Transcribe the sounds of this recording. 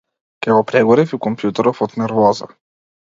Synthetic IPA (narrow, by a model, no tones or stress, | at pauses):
kʲɛɡɔpɾɛɡɔɾifikɔmpjut̪ɛɾɔfɔt̪nɛɾvɔza̰